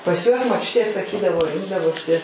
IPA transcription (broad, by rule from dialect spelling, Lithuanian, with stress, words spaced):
pɐs ˈjuɔs moːˈt͡ʃʲʊtʲeː sɐˈkʲiːdɐʋoː ˈrʲɪŋɡdɐʋoːsʲɪ